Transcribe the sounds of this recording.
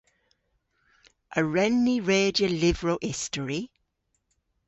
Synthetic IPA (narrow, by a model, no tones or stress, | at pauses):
ʔəɹɛnːiɹeːdjəlɪvɹoʔɪstəɹi